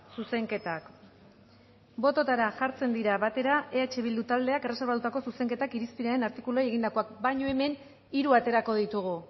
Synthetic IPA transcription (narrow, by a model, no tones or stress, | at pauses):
suse̞ŋke̞t̪ak | bo̞t̪o̞t̪aɾaʝaɾt͡se̞nd̪iɾaβat̪e̞ɾaʔe̞at͡ʃe̞β̞ild̪ut̪ald̪e̞akere̞se̞ɾβat̪ut̪ako̞suse̞ŋke̞t̪akiɾispiɾae̞naɾt̪ikuloaje̞ɣ̞ind̪ako̞akbajɲo̞e̞me̞n | iɾuat̪e̞ɾako̞ð̞it̪uɣ̞u